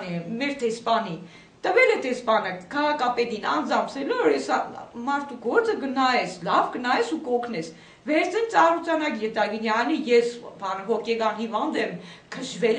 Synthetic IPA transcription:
ɛmɛɾd̪ɛspɑni | t̪əvɛlɛd̪ɛspɑnəkʰɑʁɑkɑpɛt̪inɑ̰nd͡zɑmpsɛlɔɾɛsɑmɑɾt̪ʰuɡɔɾt͡səɡənɑɛslɑvɡənɑɛsukɔkʰnɛs | vɛɾt͡sʰint͡sɑrut͡sɑnɑkjɛt̪ɑɡinjɑnijɛsbɑnɦɔkɛɡɑnhivɑnd̪ɛmkʰəʃvɛl

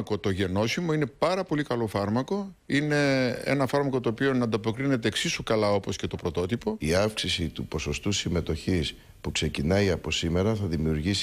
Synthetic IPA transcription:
ko̞t̪o̞ʝe̞no̞simo̞ine̞pɐɾɐpo̞likɐlo̞fɐɾmɐko̞ | ine̞ḛnɐfɐɾmɐko̞t̪oːpio̞nɐnd̪ɐpo̞kɾine̞t̪̬e̞ːksisukɐlɐo̞po̞sce̞t̪o̞pɾo̞t̪o̞t̪ipo̞iɐfksisit̪upo̞so̞st̪usime̞t̪o̞çis | pukse̞cinɐiɐpo̞sime̞ɾɐθɐðimiuɾʝis

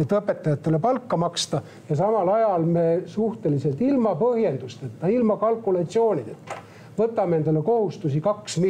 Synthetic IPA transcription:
et̪ɤpːe̞t̪ːˑɑjɑt̪ːe̞le̞pɑlkːɑmɑkst̪ɑ | jɑsɑmɑlɑjɑlme̞suht̪e̞lise̞lt̪ilmɑpɤhje̞nd̪ust̪et̪ːɑilmɑkɑlkːˑulɑt̪sio̞ːnʲid̪et̪ːɑ̥ | vɤt̪ːˑɑmeend̪̥olːeko̞hust̪usikɑksmi

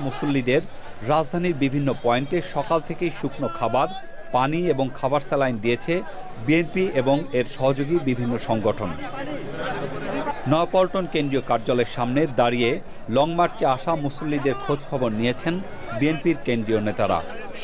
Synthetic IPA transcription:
musolːid̪eɾː | ad͡ʑd̪ʱaniɾbibʱinːopɔeɳʈeʃɔkalt̪ʰekejʃukʰnokʰabaɾ | panieboŋkʰabaɾselajnd̪ijet͡ɕʰe | bienpieboŋeɾʃɔɦod͡ʑoɡibibʱinːoʃɔŋɡoʈʰon | nɔepɔlʈonkend̪ɾiokaɾd͡ʑoleɾʃamned̪aɾie | lɔŋmaɾt͡ɕeaʃamusolːid̪eɾkʰod͡ʑkʰɔboɾnijet͡ɕʰen | bienpiɾkendɾionet̪aɾa̰

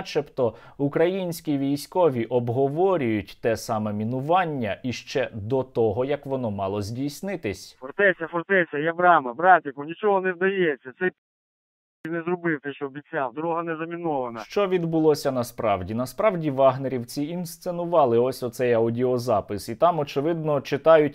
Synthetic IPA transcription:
t͡ʃɛpt̪ɔ | ukɾɐjinʲsʲkʲiʋʲijsʲkɔʋʲiʔɔbɦɔʋɔɾʲʊjʊtʲt̪ɛsɑmɛmʲinʊʋɑnʲːɐʔiʃt͡ʃɛd̪ɔt̪ɔɦɔjɐkʋɔnɔmɑlˠɔzʲdʲijsʲnɪt̪ɪsʲfɔrt̪ɛsʲɐfɔrt̪ɛsʲɐjɐbɾɑmɐbɾɑtʲɐkɔnʲit͡ʃɔɦɔnɛzd̪ɐjɛsʲːɐt̪sɛj | nɛzrɔbɪwt̪ɛʃt͡ʃɔɔbʲit͡sʲːawd̪ɾɔɦɐnɛzɐmʲinɔʋɐnɐʃt͡ʃɔʋʲid̪bʊlˠɔsʲɐnɐspɾɑwdʲinɐspɾɑwdʲiʋɑɦneɾʲiwt͡sʲiinst̪senʊʋɑlˠɪɔsʲɔt̪sɛjɐʊdʲiɔzɑpɪsit̪ɑmɔt͡ʃɪʋɪd̪̚nɔt͡ʃɪt̪ɑjʊtʲ

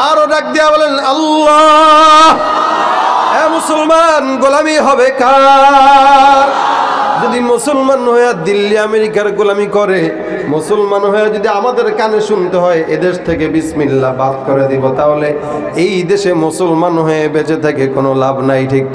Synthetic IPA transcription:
aɾoɖak̚d̪ijabɔlenɐlːɔ | ɦ | emosulmanɡolamiɦɔbeka | ɾd͡ʒod̪imosulmanɦojad̪ilːiameɾikaɾɡolamikɔɾe | mosulmanɦojad͡ʒod̪iamad̪eɾkaneʃunt̪eɦɔeʔed̪eʃt̪ʰekebismilːabad̪̚koɾed̪ibot̪aɦole | ejd̪eʃemosulmanɦɔebet͡ɕet̪ʰakekonolabnajʈʰik

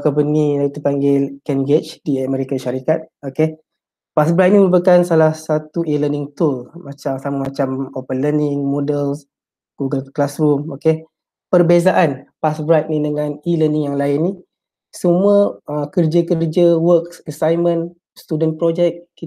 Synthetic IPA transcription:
kɔmpəniait̪upaŋɡekɛnɡet͡ʃdiəmɛɾikanʃaɾikat̪̚oke | pasbɾajt̪̚nimə̃bəkansalahsat̪uilənɪŋt̪ulmat͡ʃamsamamat͡ʃamopənlənɪŋmodəls | ɡ̥uɡəlklasrumoke | pərbezaʔanpasbɾat̪̚nidəŋaniləniŋjaŋlaɪnːi | səmũəəkərd͡ʒakərd͡ʒawəksəsajmə̃n | st̪udənpɾod͡ʒɛk̚kːi

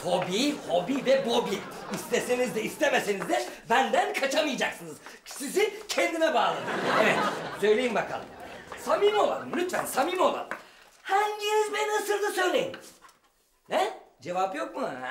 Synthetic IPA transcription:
ho̞biho̞bivɛbo̞biist̪esenizd̪eist̪emesenizd̪ɛbænd̪ænkʰat͡ʃamɯjd͡ʒaksɯnɯz | sizicʲʰend̪inɛbaːlˠa̰d̪ɯevet̪sø̞jlʲe̞jimbaka̰lˠɯ̰msamimo̞lˠa̰d̪mnyt̪ɛ̰nsamimolˠa̰ | hænjiɾzbenasɯnd̪ɯsøjlʲejinz̥ | nɛd͡ʒe̞vapjo̞k̚mua

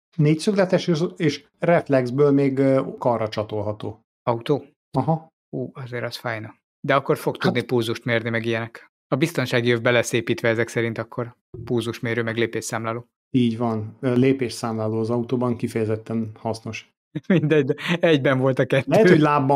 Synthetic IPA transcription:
neːcsyklɛt̪ɛʃøzeːʃ | rɛflɛɡzbøːlmeːɡkɒrːɒt͡ʃɒt̪o̞lɦɒt̪oː | ɒut̪oː | ɒɦɒ | uːɒzeːɾɒsfaːjnɒ | d̪ɛɒkːo̞rfo̞kt̪ud̪nipulzuʃt̪meːrnimɛɡijɛnɛk | ɒbist̪o̞nʃaːɡijøvbɛlɛseːpiːt̪ʋɛɛzɛksɛɾint̪ɒkʰːo̞r | pulzuʃmeːɾøːmɛɡleːpeːʃsaːmlaːloː | iːɟvɒnːleːpeːʃsaːmlaːloːɒzɒut̪oːbɒŋkifɛjɛzɛt̪ːɛnhɒsno̞ʃ | mind̪ɛɟd̪ɛɛɟbɛɱvo̞lt̪ɒkɛt̪lɛːɦɛtøho̞ɟlaːbːɒ

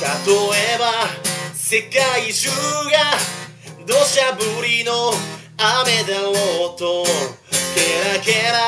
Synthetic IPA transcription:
kat̪oebase̞kaiɕɯɡa | d̪oɕabɯɾʲino | amed̪aot̪o | keɾakeɾa

